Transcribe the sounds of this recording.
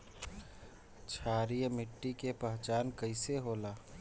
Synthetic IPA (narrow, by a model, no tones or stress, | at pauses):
t͡ʃʰaːɾijmɪʈːikepəɦt͡ʃaːnkəɪseɦoːlaː